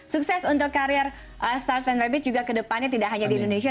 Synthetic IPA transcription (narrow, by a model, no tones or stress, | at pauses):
suksɛsunt̪ʊkːaɾiɛr | ʔəst̪arsɛnɾɛbɪt̪̚d͡ʒuɡakədəpanɲat̪̬idaʔɦaɲadiindones̬ia